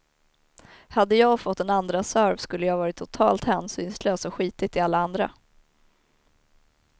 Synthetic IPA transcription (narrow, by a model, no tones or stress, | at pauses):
had̪ːəjɑːɡfɔt̪ːɛnand̪ɾasœɾvskɵlːəjɑːhavɑːɾɪt̪ʰːʊt̪ʰɑ̰ːlt̪hɛːnsyːnsløːsɔɧiːt̪ɪt̪ʰɪalːaand̪ɾa̰